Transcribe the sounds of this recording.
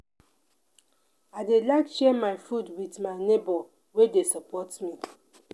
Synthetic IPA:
aɪdelaɪkʃɛmaɪfudwitmaɪnebɔ | wedesɔpɔtmi

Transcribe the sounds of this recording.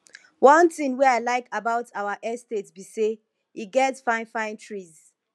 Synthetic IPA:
wɔ̃ntɪ̃ŋwɛaɪlaɪkabaʊtʰawaʔɛstetsbise | iɡɛtsfãɪ̃nfãɪ̃ntʰɹiz̥

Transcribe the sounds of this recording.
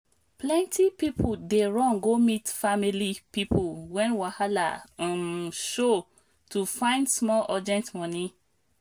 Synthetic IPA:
plɛ̃ntʰipipʰudeɹɔ̃ŋɡomitfamilipipʰuwɛ̃nwahalã̰mʃo | tʰufãɪ̃ndsmɔlɔd͡ʒɛ̃ntmɔ̃ni

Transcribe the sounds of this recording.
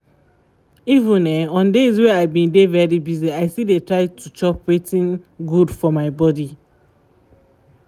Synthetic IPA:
ivĩnɛɔ̃ndezweaɪbĩndevɛɹibiziaɪsidetɹaɪtʰut͡ʃɔpwetĩnɡudfɔmaɪbɔdi

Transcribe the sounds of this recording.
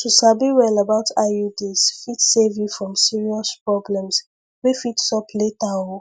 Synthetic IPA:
tusabiwɛlabaʊtʰajudisfitsevjufɹɔ̃msiɹiɔspɹɔblɛ̃ms | wifitsɔpʰletao

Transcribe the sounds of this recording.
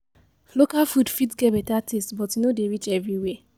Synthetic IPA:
lokalfudfitɡɛbetatʰestbɔtinodeɾit͡ʃɛvɹiwe

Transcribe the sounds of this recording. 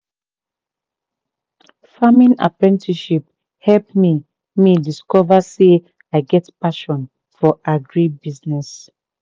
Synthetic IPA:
famĩna̰pɹɛ̃ntʰiʃip̚ | hɛlpmi | midiskɔvase | aɪɡɛtpaʃɔ̃n | fɔʔaɡɹibiznɛs

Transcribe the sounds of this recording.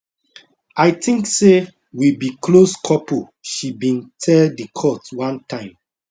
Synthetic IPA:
aɪtĩŋkse | wibikʰloskʰɔpo | ʃibĩntʰɛldikʰɔtwãntʰãɪ̃m

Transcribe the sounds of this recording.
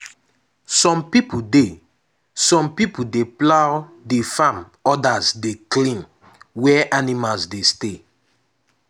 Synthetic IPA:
sɔ̃mpipude | sɔ̃mpipudeplawdefãm | ɔdazdeklĩm | wɛʔanimalsdeste

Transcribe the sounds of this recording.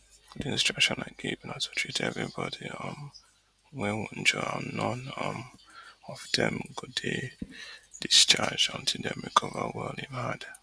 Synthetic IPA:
ɡ̥ʊdɪ̃nstɹ̥ʌkʃɔ̃naɪɡevnatu̥tʰɹ̥itʰɛvɹibɔdiɔ̃m | wɛ̃wɔn̩d͡ʒɔa̰nɔ̃nɔmɔfdɛ̃mɡʊde | d̥ist͡ʃad͡ʒɔ̃ntʰilˠdɛ̃mɹikʰɔvəwɛlˠdivhad

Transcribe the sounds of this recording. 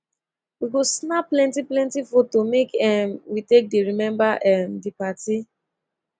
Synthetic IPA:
wiɡosnaplɛ̃ntiplɛ̃ntifotomekɛmwitek̚deɹimɛ̃mbaʔɛmdipati

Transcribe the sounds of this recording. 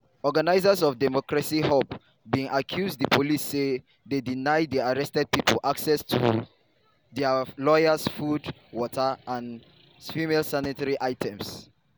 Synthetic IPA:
ɔɡanaɪzəsɔvdɛmɔkɹasihop | bĩŋʔakʰjuzdðəpʰolisːe | ðedinajdðiaɹɛstɛd̚pipolʔaksɛstʰu | ðɛlɔjəsfud | wɔtʰəãn | fimelsanitaɹiʔaɪtʰɛ̃ms

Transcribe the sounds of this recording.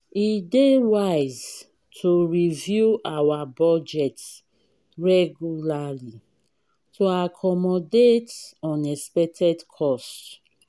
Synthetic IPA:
idewaɪz | tʰoɹivjuʔawabɔd͡ʒɛt | ɹɛɡjulali | tʰoakʰɔmɔdetɔ̃nɛspɛk̚tʰɛdkʰɔs

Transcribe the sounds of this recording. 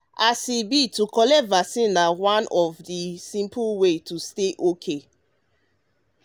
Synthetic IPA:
asibitukɔlɛtvasĩnawãnɔvdisĩmpuwetusteʔokʰe

